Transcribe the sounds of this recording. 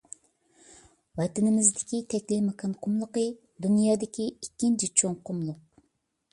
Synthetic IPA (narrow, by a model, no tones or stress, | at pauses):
wɛt̪ɪnɪmɪzd̪ɪ̥kʲit̪ʰɛkʲlimɑkʰɑnqʰʊmlˠəqə | d̪unjɑːd̪ɪkʲiikʲːint͡ʃʰit͡ʃʰoŋqʊmlˠʊq̚